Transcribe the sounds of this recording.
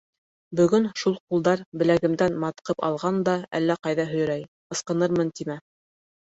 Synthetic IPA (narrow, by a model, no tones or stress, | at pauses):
bɵ̆ɡɵnʃulˠqulˠd̪ɑɾbɘ̆læɣɘ̆md̪ænmɑt̪qɤpɑ̰lˠʁɑnd̪ɑæ̰lːæqɑjðɑɦɵ̆j̆ɾæj | qɤ̆sqɤ̆nɤɾmɤnt̪imæ